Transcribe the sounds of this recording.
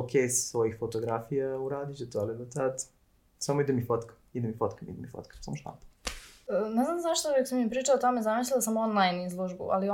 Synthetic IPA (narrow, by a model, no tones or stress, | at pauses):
okʰʲejsʋojixfot̪oɡɾafijauɾaːd̪it͡ʃet̪oaled̪ot̪at̪ | samoid̪emifot̪k | id̪emifot̪kamḭd̪emifo̰t̪kḁɾsamoʃt̪a̰ːp̪ḁəneznamzaʃt̪ojokosamiepɾiːt͡ʃaot̪o̞mezamislilasamonlˠajnizlˠoʒbṵʔa̰lio